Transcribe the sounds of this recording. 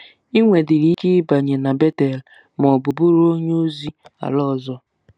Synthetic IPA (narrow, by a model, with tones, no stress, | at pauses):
i˦ŋʷe˨dɪ˨ɾi˦ke˦ba˨ɲe˨na˨be˦te˨l | m˨ɔ˨bʊ˨bʊ˦ɾo˦ɲo˦zi˦a̰˨lɔ˦˨zɔ˦